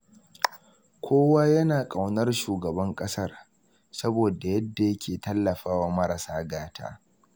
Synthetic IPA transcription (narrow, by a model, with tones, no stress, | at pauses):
kʰʷoː˦waː˦jɐ˦naː˨kʼa˨wnɐ˦rʃuː˨ɡɐ˨bɐ˦ŋkʼɐ˦sɐ˦r | sɐ˦boː˨da˨jɐ˦dːa˨jɐ˦kʲʰeː˨tɐ˦lːɐ˨ɸaː˦waː˨mɐ˦ɾɐ˨saː˦ɡaː˦tʰa̰ː˦